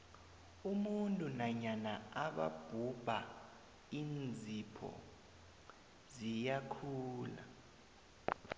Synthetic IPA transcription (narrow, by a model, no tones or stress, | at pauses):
umuntʼunaɲanaaɓa̰b̥ʱub̥ʱa | iːnd͡zʱipʰɔ̰ | zijakʰuːla̰